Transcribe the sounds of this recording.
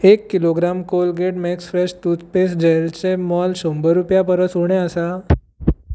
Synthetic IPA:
ekːiloɡɾamkolɡeʈmɛksfɾɛɕt̪ut͡spesd͡ʑelt͡ɕemɔlɕombəɾupjapəɾəsoɳ̃eəsa

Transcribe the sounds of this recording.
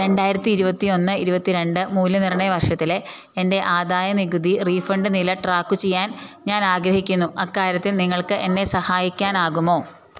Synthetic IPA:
ɾe̞ɳɖaːjiɾɐt̪ːiːɾubɐt̪ːio̞nːɨiɾubɐt̪ːiɾe̞ɳɖɨmuːlːɐnirɐɳɐjɐʋɐrʂɐt̪ːile̞ | ende̞ʔaːd̪aːjɐniɣud̪iriːfɐɳɖɨnilɐʈraːkːut͡ɕejːaːnɲaːnaːɡɾɐhikʲːunːuʔɐkːaːɾjɐt̪ːilniŋːɐɭkɨʔe̞nːe̞sɐhaːjikʲːaːnaːɣumo̞ː

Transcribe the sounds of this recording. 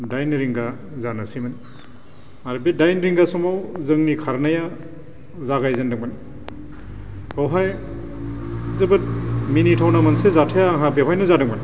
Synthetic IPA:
dajnɾiŋɡa | zanasiman | aɾbedajnɾiŋɡasɔmawzɯŋnikʰaɾnaja | zaɡajzandɯŋman | hɔwɦaj | zɯbɯt̚minitʰawnamansezatʰajaːŋɦabewajnuzadɯŋman

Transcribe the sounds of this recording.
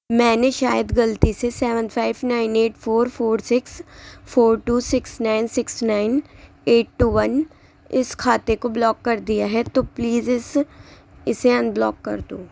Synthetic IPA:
mɛ̃ːneʃaːjəd̪ɡɐlt̪isesɛːʋə̃nɖpʰaːɪbnaːɪneːʈfʰoːɾpʰoːɾsɪksfʰoːɾʈuːsɪksnaːɪnsɪksnaːɪn | eːʈ̚ːuːʋən | ɪskʰaːt̪ekoblɔːkːɐɾd̪ijaɦɛt̪opliːzɪs | ɪseɐ̃nblɔ̰ːkːɐ̰ɾd̪õː

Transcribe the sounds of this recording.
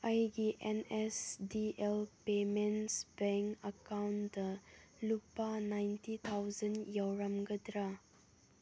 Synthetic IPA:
ɐjɡiʔenesdielpemensbɛŋɐkawndɐlupːanajntit̪ʰawzɐnjawɾɐmɡɐd̪ɾa

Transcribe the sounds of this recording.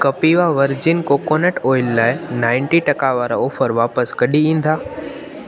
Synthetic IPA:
kɐpiʋaʋɐɾd͡ʑɪnkokoːnəʈoːɪlːaːɪnãːɪ̃ɳʈiʈɐkaʋaːɾaoːfəɾʋaːpəskɐɗiĩːn̆d̪aː

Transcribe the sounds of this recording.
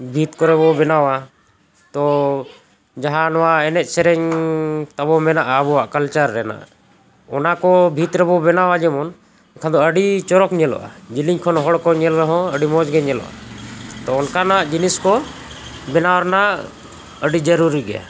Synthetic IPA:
bʱit̪̚kɔɾɛβɔbɛnawa | t̪ɔ | d͡ʒaɦãnɔwaɛnɛʔ̪̚ˀsɛɾɛɲt̪abɔmɛnaʔabɔaʔkəlt͡ʃaɾːɛna̰ʔ | ɔnakɔbʱit̪ɾɛbɔbɛnawad͡ʒɛmɔn | ɔnkʰad̪ɔəɖit͡ʃɔɾɔkɲɛlɔ̰ʔa̰d͡ʒiliɲkʰɔnɦɔɽkɔɲɛlɾɛɦɔ̃əɖimɔd͡ʒɡɛɲɛlɔ̰ʔa̰t̪ɔɔnkanaʔd͡ʒiniskɔ | bɛnawaɾnaʔ | əɖid͡ʒəɾuɾiɡɛja̰

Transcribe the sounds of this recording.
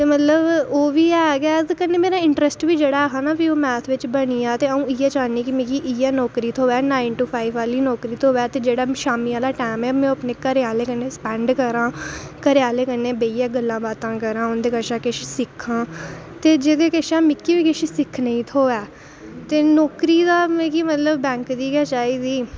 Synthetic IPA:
tt̪eːmət̪ləboːʋiːɛːɡɛzkənːeːmeːɾaːɪɳʈɾəsʈʋiːd͡ʒeːɽaːɦaːnaːpioːmɛːt̪ʰʋɪt͡ʃbəɽ̃iːãːt̪eːəũːɪɛːt͡ʃaːniːkɪmẽːkiːʔiːɛːnɔːkɾiːt̪ʰoːɛːnaːɪnʈuːpʰaːiʋaːliːnɔːkɾiːt̪ʰoːʋɛːt̪eːd͡ʒeːɽaːʃaːmiːaːlaːʈɛːmɛːmɛ̃ːəpneːkəɾeaːleːkənːeːspɛ̃ːɳɖkəɾãːkəɾaːleːkənːeːbeːijɛːɡəlːãːbaːt̪ãːkəɾãːʊnd̪eːkəʃãːkɪʃsɪkʰːãː | t̪eːd͡ʒeːd̪eːkəʃãːmɪkːiːʋiːkɪʃisɪkʰnəĩːt̪ʰoːɛː | t̪eːnɔːkɾiːd̪aːmẽːkiːmət̪ləbbɛ̃ːŋkd̪iːkɛːt͡ʃaːiːd̪iː

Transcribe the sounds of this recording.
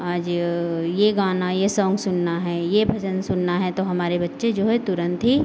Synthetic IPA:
aːd͡ʒjeɡaːnajesɔ̃ːŋɡsʊnːaɦɛːjebʱɐd͡ʒənsʊnːaɦɛt̪oɦɐmaːɾebɐtːʃed͡ʒoːɦɛt̪ʊɾə̃nt̪ɦi

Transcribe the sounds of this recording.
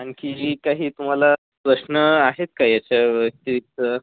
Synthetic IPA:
ankid͡ʑiːkaɦiːt̪um̤ala | pɾəɕnəaɦet̪̚kaɦiat͡ɕaəst̪iʋit̪ə

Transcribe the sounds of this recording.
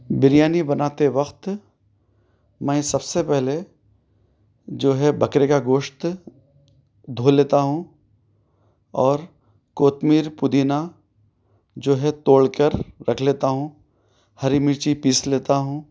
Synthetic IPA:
bɪɾjaːnibɐnaːt̪eʋɐqt̪ | mɛ̃ːsɐbsepɛɦle | d͡ʒoːɦɛbʱɐkɾekaɡoːʃt̪ | d̪ʱoːleːt̪aɦũ | ɔːɾ | koːt̪miːɾpʊd̪iːna | d͡ʒoːɦɛt̪oːɽkəɾːɐkʰleːt̪aɦũ | hɐɾimɪt͡ʃipiːsleːt̪aɦũː

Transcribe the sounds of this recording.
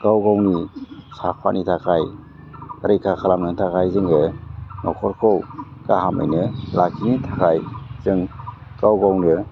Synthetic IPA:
ɡ̥awɡawnisapʰa̰nitʰakʰaj | ɾɯjkʰakʰalamnɯŋtʰakajzɯŋɯnʔɔ̰kʰɔɾkʰowɡ̥aɦamɯ̰jnɯlakʰinitʰakʰajz̥ɯŋ | ɡ̥awɡawnɯ

